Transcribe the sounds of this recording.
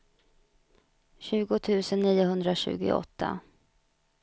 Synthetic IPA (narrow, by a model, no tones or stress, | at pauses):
ɕʉ̟ːɡʊt̪ʰʉ̟ːsənːiːʊɦɵnd̪ɾaɕʉ̟̰ːɡɪ̰ɔ̰t̪ʰːa̰